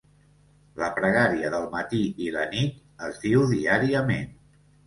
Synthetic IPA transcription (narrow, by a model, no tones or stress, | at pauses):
ləpɾəɣ̞aɾiəðəlˠmət̪iilənit̪ | əzðiwðiaɾiəmen